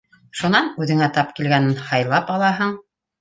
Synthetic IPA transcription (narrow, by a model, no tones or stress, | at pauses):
ʃunɑnʉðɘ̆ŋæt̪ɑpkilɡænɘnhɑjlˠɑpɑlˠɑɦɤɴ